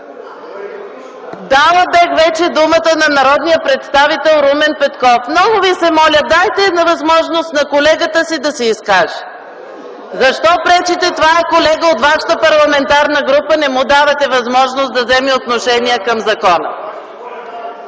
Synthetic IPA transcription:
d̪alˠəbɛkvɛt͡ʃɛd̪umət̪ənɐnɐɾɔd̪nijəpɾɛt̪st̪avit̪ɛlˠɾumɛnpɛt̪kɔfmnɔɡʊvisɛmɔlʲəd̪ajt̪ɛːd̪nɐvɐzmɔʒnost̪nɐkolɛɡət̪əsid̪ɐsɛiskaʒɛ̥ | zɐʃt̪ɔpɾɛt͡ʃit̪ɛt̪ovaɛkolɛɡəot̪vaʃə̥t̪əpɐɾlˠɐmɛnt̪aɾnəɡɾupənɛmud̪avɐt̪ɛvɐzmɔʒnost̪d̪ɐvzɛmiot̪noʃɛniɛkɐmzɐkɔnə̰

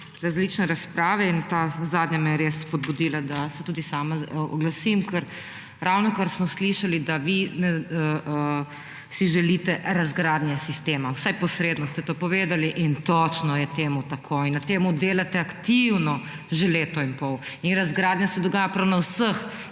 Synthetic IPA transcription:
ɾazlit͡ʃnɛɾaspɾaːʋɛint̪aːzaːd̪njamɛjɛɾesːpɔd̪̚bud̪iːlad̪asɛt̪uːd̪isaːmaɔ̰ɡlasimkəɾ | ɾʔawnɔkəɾsmɔsliʃalid̪aʋinɛ | siʒɛlit̪ɛɾazɡɾad̪njɛsist̪eːmawsajpɔsɾeːd̪nɔst̪ɛt̪oːpɔʋeːd̪aliʔint̪ɔt͡ʃnɔjɛt̪eːmut̪akʰoinːɐt̪eːmud̪eːlat̪ɛakt̪iwnɔ | ʒeleːt̪ɔinpɔwinɾazɡɾaːd̪njasɛd̪ɔɡaːjapɾawnawsəx

